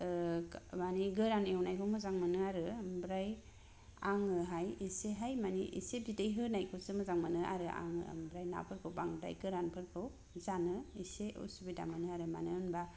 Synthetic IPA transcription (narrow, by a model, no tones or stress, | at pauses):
maniɡɯɾanewnajkʰɯwmɯzaŋmɯnɯaɾɯambɾaj | aŋɯɦajiseɦajmaniʔḭsep̚zidejɦɯnajkʰɯwsɯmɯzaŋmanɯʔa̰ɾɯʔa̰ŋɯ̰a̰mbɾajna̰pʰɯɾkʰɯwpaŋɯda̰jɡɯɾanpʰɯɾkʰɯw | zanɯiseṵsibida̰ŋmɯnɯaɾɯmanɯnba